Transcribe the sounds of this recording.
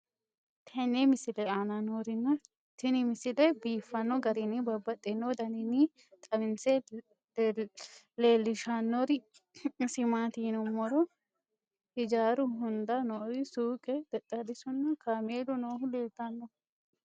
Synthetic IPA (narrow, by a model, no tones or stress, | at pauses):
t̪ʰɐnːemɪsɪlɛaːnanoːɾɪnːɐ | t̪ɪnɪmɪsɪlɛbiːfːɐnːɔɡɐɾɪnɪbɐbːɐt̪ʼːɪnːod̪ɐnɪnɪ | t̪ʼɐmɪnsɛ | leːlːɪʃanːɔɾɪ | sɪmaːt̪iːnɔmːɔɾɔ | hɪd͡ʒaːɾʊɦʊnd̪ɐnoːɾɪsuːkʼɛd̪ɛt̪ʼːɐd̪ɪsʊnːɐkameːlʊnoːɦʊleːlt̪ːɐnːɔ